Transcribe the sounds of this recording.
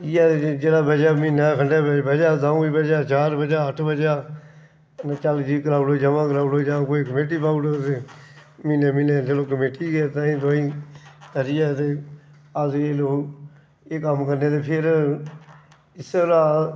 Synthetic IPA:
ɪjaːd͡ʒeːlaːbəd͡ʒaːmĩːnãːkʰəɳɖeːbəd͡ʒaːd̪aːiːbəd͡ʒaːt͡ʃaːɾbəd͡ʒaːəʈʰbəd͡ʒaː | t͡ʃaːld͡ʒiːkəɾaːloːid͡ʒəmãːkəɾaːloːd͡ʒãːkoːiːkəmeːʈ̬iːpaːʊloːt̪eːmineːmineːd͡ʒeloːk̬əmeːʈiːɡeːt̪ãːĩːd̪oĩːəɾɪjɛːt̪eː | əzeːloː | eːkəmkəɾneːt̪eːpʰɪɾ | ɪsɾaː

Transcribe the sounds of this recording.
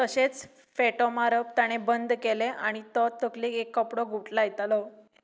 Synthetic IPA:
t̪əɕet͡s | feʈɔmaɾəp̚t̪aɽ̃ebənd̪ʱkeleʔaɽ̃it̪ɔt̪əklikekːəpɽɔɡuʈlajt̪alɔ

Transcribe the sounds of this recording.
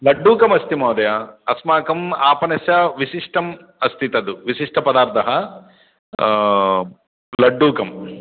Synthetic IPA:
lɐɖːuːkɐmɐst̪imaːd̪ɐjaɐsmaːkɐmaːpɐnɐsjɐʋiʃiʂʈɐm | ɐst̪ʰit̪ɐd̪uʋiʃiʂʈʰɐpɐd̪aːɾt̪ʰɐɦɐ | lɐɖːuːkɐm

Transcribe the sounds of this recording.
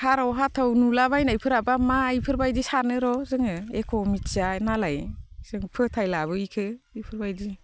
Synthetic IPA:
hʰaɾɔwɦatʰawnulaβajnajpʰɯɾabamajpʰɯɾbajdisaɾnɯɾɔzɯŋɯekʰɔmit͡ʃanalajz̥ɯŋpʰɯtʰajlabɯikʰɯipʰɯɾbajdi

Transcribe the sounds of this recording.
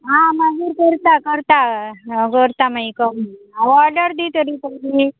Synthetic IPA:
ɦãmaɡiːɾkəɾt̪akəɾt̪akəɾt̪amajkəm | aʋɔləɾd̪it̪əɾiːt̪əɾi

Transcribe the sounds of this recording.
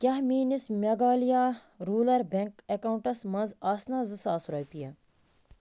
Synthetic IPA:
kʲɐɦmiːnismʲɐɡaːlijaː | ɾuːlɐɾbeŋkekauɳʈɐsmɐnzaːsnazɨsaːsɾɐjpijɐ

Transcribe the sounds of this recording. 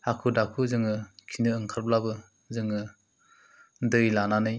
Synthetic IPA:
akʰudakʰuzɯŋɯkʰinɯːŋkʰaɾblabɯ | zɯŋɯ | dɯjlananɯj

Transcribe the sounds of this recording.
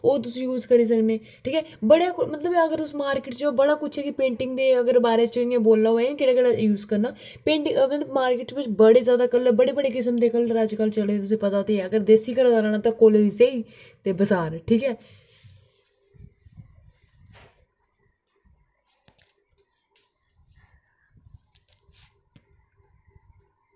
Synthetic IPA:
oːt̪̬ʊsĩːjuːzkəɾiːs̬əkneː | ʈʰiːkɛːbəɽaːkʊmət̪ləbəɡəɾt̪ʊsĩːmaːɾkɪʈd͡ʒoːbəɽaːkʊːt͡ʃʰɛːkɪpẽːɳʈɪŋɡd̪eːəɡəɾbaːɾeːt͡ʃiẽːboːlːaːoẽːkeːɽaːkeɽaːjuːzkəɾnaː | pẽːɳʈɪəɡnmaːɾkɪːʈsʋɪt͡ʃbəɽeːzjaːd̪aːkəlbəɽeːbəɽeːk̬ɪs̬əmd̪eːkəlɾəd͡ʒkəlt͡ʃəleːt̪ʊs̬ĩːpət̪aːt̪eːəɡəɾd̪eːsiːkəɾad̪alaɳaːt̪ãːkoliseiːt̪eːbəsaːɾʈʰiːkɛː

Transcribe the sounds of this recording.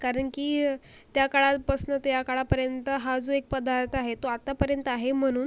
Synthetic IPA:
kaɾəɳkiː | t̪jakaɭat̪pəsnət̪jakaɭapəɾjənt̪əɦad͡zoek̚pəd̪aɾt̪aɦet̪oat̪apəɾjənt̪əaɦem̤əɽ̃uːn

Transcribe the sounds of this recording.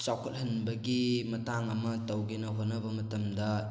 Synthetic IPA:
t͡ʃawkʰɐt̚hɐnbɐɡimɐtaŋɐmɐtɐwɡenɐɦot̚nɐbɐmɐtɐmdɐ

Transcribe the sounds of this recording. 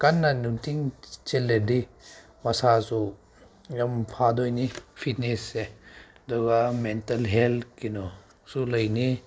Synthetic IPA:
kanːanuŋtiŋt͡ʃelːedi | masasu | jampʰadɔjnipʰit̚nesːe | dɔɡamentɐlɦelkinɔ | sulajni

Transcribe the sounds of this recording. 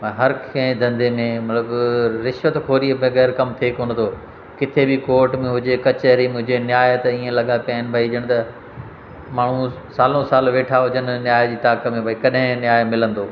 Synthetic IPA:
ɐɦɐɾkʰẽd̪ʱɐ̃nd̪emẽmɐt̪ləbɾɪʃʋət̪kʰoːɾiəbẽɣɛːɾkɐmt̪ʰekoːn̆t̪ʰoː | kɪt̪ʰebɪkoːɾʈmẽɦʊd͡ʑekɐt͡ɕəɾimʊ̃ɦɪ̃d͡ʑenjaːjt̪ɐiːẽlɐɠapijaːɪnɪ̆bʱɐid͡ʑəɽ̃t̪ɐ | maːɳ̤ũ | saːlõsaːlʋeːʈʰaɦʊd͡ʑənɪ̆njaːjd͡ʑiːt̪aːkəmẽbɐikɐɗɦɪ̃njaːjmɪlə̃nd̪oː

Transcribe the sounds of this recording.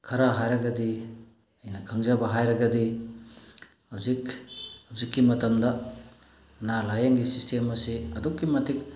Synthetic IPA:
kʰɐɾaɦajɾɐɡɐdi | ɐjnɐkʰɐŋzɐbɐɦajɾɐɡɐdi | hawzikhɐwzikːimɐtɐmdɐ | nalajaŋɡisistʰemɐsiɐdɔkːimɐtik̚

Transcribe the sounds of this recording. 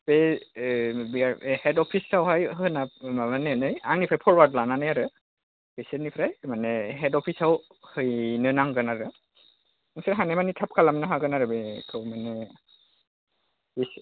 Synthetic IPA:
pɛ | biahɛdɔpʰisːawɦajɦɯnaaanɛnɯjaŋnipʰɾajpʰɔɹbatlananajaɾɯ | b̥esenipʰɾajmanɛɦɛdɔpʰisaw | hɯjnɯnaŋɡɯnaɾɯ | ŋsiɾɦanɛmanitʰap̚kʰalamnaɦaɡɯnaɾɯbɛkʰɯwmanɛ | bis

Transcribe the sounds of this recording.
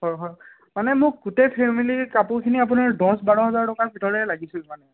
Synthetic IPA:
ɦɔjɦɔj | manɛmʊk̚ɡutepʰemilikapukʰiniap̬unaɹdɔ̃sbaɹɔɦɔzaɹtɔkabʱitɔɹɛlaɡisʊmanɛ

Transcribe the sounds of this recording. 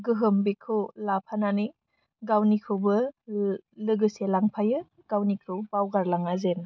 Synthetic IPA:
ɡɯɦɯmbekʰɯwlapʰananij | ɡawnikʰɯwbɯ | lɯɡɯselaŋpʰajɯ | ɡ̥awnikʰɯwbawɡaɾlaŋazen

